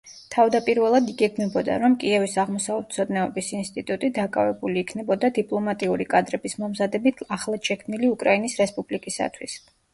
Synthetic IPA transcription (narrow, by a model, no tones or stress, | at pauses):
t̪ʰavd̪apʼiɾvɛlˠad̪iɡɛkʰmɛbɔd̪a̰ɾɔmkʼiɛvisaʁmɔsavlɛt̪sʰɔd̪nɛɔbisinst̪ʼit̪ʼut̪ʼid̪akʼavɛbuliːkʰnɛbɔd̪ad̪ipʼlˠɔmat̪ʼiuɾikʼad̪ɾɛbismɔmzad̪ɛbit̪ʰaχlˠḁʃɛkʰmniliukʼɾainisɾɛspʼublikʼisa̰t̪ʰwḭs